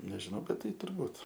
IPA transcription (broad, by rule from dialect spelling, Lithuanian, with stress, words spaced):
nʲɛʒʲɪˈnɐʊ ˈbʲɛt ˈtɐɪ tʊrˈbuːt